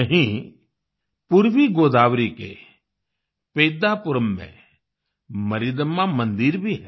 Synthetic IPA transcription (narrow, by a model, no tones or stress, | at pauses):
əɦĩ | pʊɾʋiɡoːd̪aːʋɾikḛ | peːd̪apʊɾəmːḛ̃ | məɾid̪əmːãmə̃nd̪ɪɾbʱiɦɛ